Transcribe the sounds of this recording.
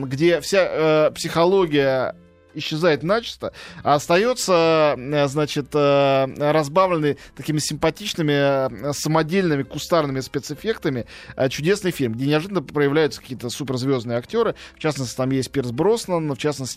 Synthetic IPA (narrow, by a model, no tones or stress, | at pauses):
ɡdʲe̞fsʲaəpsʲɪxɐlˠoɡʲɪjə | ɪɕːɪzajɪt̪nat͡ɕɪ̥st̪əast̪ɐjo̞t̪səəznat͡ɕɪt̪əɾɐzbavlʲɪnːəjt̪ɐkʲimʲɪsʲɪmpɐtʲit͡ɕnɨmʲɪsəmɐdʲelʲnɨmʲɪkʊst̪arnɨmʲɪspʲet̪sɨfʲe̞kt̪əmʲɪ | ət͡ɕʊdʲe̞snɨjfʲilʲmɡdʲenʲɪɐʐɨd̪ənːəpɾəjɪvlʲæjʊt̪sə̥kɐ̥kʲiːt̪əsupʲɪrzvʲo̞znɨjəɐktʲo̞ɾɨft͡ɕasnəsʲtʲɪt̪amjesʲt̚ʲpʲɪrzbɾo̞snənːft͡ɕasnəsʲtʲɪ